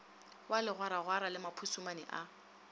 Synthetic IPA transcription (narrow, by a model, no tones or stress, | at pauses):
walɪɣwaɾaɣwaɾalɪmapʰusumanɪʔa